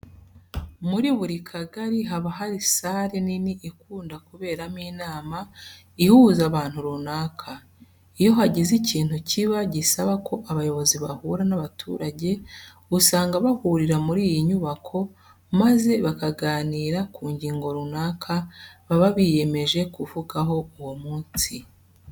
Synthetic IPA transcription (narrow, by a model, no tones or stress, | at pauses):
muɾiβuɾikʰaɡaɾiɦaβaɦaɾisaɾeniniʔikuːndakuβe̞ːɾamiːnaːma | ihuːzaβaːn̥huɾunaːkʰa | ijo̞ɦaɟeziciːn̥huciβaɟisaβakʰo̞ʔaβajo̞βo̞ziβahuɾanaβatʰṵːɾaɟe̞ | usaːŋɡaβahuɾiɾamuɾiːjiɲuβakʰo̞ | maze̞βakaɡaːniːɾakʰuːɲɟiːŋɡo̞ɾunaːkʰaβaβaβije̞me̞ʒe̞kuvuɡaɦo̞uwomuːnsi